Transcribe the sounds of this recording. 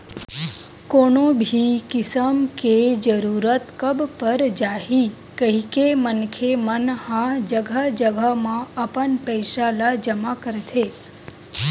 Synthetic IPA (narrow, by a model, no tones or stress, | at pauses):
konobʱikɪsəmked͡ʒəɾuɾət̪kəbpəɾd͡ʒaɦi | kəɦikemənkʰemənhãd͡ʒəɡʱad͡ʒəɡʱəmãəpəɳpəjʃalad͡ʒəmakəɾt̪ʰe